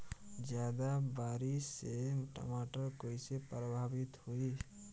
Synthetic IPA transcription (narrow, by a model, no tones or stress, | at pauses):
d͡ʒjaːd̪abaːɾiseʈə̰maʈəɾkoːisepɾəbʱaːbɪt̪hoi